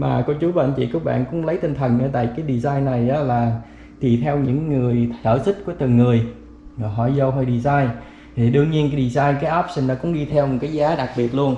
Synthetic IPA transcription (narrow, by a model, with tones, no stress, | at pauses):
maː˨˩kɔ˧t͡ɕu˨˦ɓə̰˧˨nt͡ɕḭ˧˨ku˨˦˥k̚ɓa̰ː˧˨nkʊ̰˧˥ŋ͡mlə˨˦jt̪ï˧ŋt̪ʰə˨˩nʔɨ̰˧˩t̪a̰ː˧˨jkaː˨˦jɗi˨˩zaː˧jnːa˨˩jʔaː˨˦laː˨˩ | t̪i˨˩t̪ʰɛ˧wɲɨ̰˧˥ŋːɨ˨˩əjsəː˧˩si˦˥t̟̚ku˧˩ət̪ɨ˨˩ŋːɨ˨˩əj | ɦɔ̰˧˩jzə˧wɦa˧jɗi˨˩zaː˧j | t̪ʰi˨˩ɗɨ˧əŋɲi˧ənkːjɗi˨˩zaː˧jk̬aː˨˦jʔɔ˦˥p̚sï˧˩ŋɗa̰˧˥kʊ̰˧˥ŋ͡mɗi˧t̪ʰɛ˧wm̚˨˩kaː˨˦jzaː˨˦ɗa˨˩k̚ɓi˨˩ət̚lu˧ən